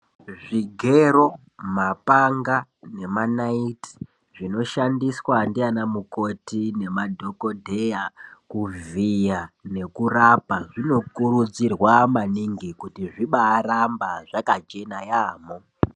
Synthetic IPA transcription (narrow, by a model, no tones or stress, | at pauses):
ʐiɡʱe̞ro̞ | mapaŋɡane̞manaiti̥ | ʐino̞ʃandiswandianamuko̞tine̞madʱo̞ko̞dʱe̞jakuvijane̞kurapaʐino̞kurud͡zirwamaniŋɡikutiʐiɓaːɾambaʐakat͡ʃe̞najaːmo